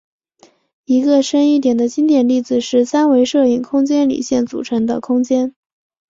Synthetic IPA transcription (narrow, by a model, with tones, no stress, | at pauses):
i˧˥ɡə˧ʂə˥ni˥˩t̪jɛ˨˩nd̪ə˦t͡ɕi˥nt̪jɛ˨˩nli˥˩d͡zɹ̩˩ʂɻ̩˥˩sa˥nwe˧˥ɪʂɤ˥˩i˥˩ŋkʰʊ˥ŋt͡ɕjɛ˥nlḭ˨˩ɕjɛ˥˩nt͡sṵ˨˩ʈ͡ʂʰɤ˧˥ŋd̪ə̰˧kʰʊ˥ŋt͡ɕjɛ˥n